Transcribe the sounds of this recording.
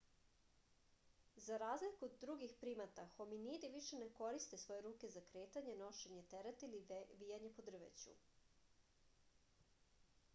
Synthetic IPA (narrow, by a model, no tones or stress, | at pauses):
zaɾaːzlikud̪ɾuɡixpɾiːmat̪axo̞minid̪iʋiʃeneko̞ɾist̪e̞sʋo̞je̞ɾuːke̞zakɾe̞ːt̪aɲeno̞ʃeɲe̞t̪eɾet̪iliʋijaɲe̞po̞d̪r̩ʋḛt͡ɕṵ